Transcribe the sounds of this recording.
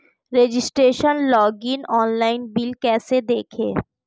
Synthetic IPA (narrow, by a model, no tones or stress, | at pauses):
ɾed͡ʑisʈɾeʃənlɔɡinɔːnlaɪnbilkɛːsed̪ekʰḛ